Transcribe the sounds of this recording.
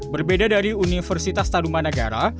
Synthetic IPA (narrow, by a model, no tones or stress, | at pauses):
bərbedadaɾiunifərsit̪ast̪anumanəɡa̰ɾa̰